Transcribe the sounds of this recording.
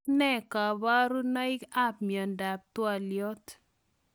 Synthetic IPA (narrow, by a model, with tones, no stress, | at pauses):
nɛ˦ka˨ba˦ɾu˦na˦ɪ˦ka˦p̚miɔ˨nda˨p̚t̪wa˨ljɔ˦t̪